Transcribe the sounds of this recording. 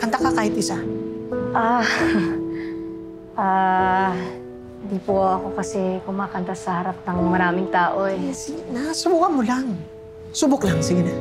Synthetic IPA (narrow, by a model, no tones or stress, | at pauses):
kɐnt̪akɐkaːhɪt̪ʔɪsa | ʔa | ʔaː | hɪnd̪ipoʔɐko̞kɐsɛkʊmaːkɐnt̪asɐhɐɾap̚nɐŋmɐɾaːmɪŋt̪aːʔoɛsiɡɪnasʊbuːkɐmolaŋ | sʊbʊklaŋsiɡɪna